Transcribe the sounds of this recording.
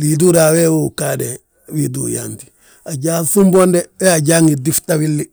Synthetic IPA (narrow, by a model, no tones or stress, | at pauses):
liduɾawewukade | widṵːja̰nti̥ | aɟaːsumbondeweaɟaːŋidiftawilːi